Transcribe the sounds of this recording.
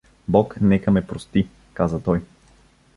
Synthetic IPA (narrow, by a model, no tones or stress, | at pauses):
bɔknɛkəmɛpɾost̪i | kazət̪ɔj